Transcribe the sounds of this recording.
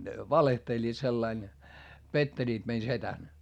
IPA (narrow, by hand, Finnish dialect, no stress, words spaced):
ne ʋɑlehtelʲːiːt selːɑin petːelʲiːt mei setæn